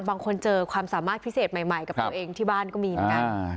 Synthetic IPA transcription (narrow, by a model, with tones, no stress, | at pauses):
baː˧ŋkʰo˧nt͡ɕɤː˧kʰwaː˧msaː˩˦maː˥˩t̪̚pʰi˦˥seː˨˩t̪̚ma˨˩jma˨˩jka˨˩p̪ːʔeː˧ŋt̪ʰiː˥˩baː˥˩nkɔː˥˩miː˧mə˨˩˦ka˧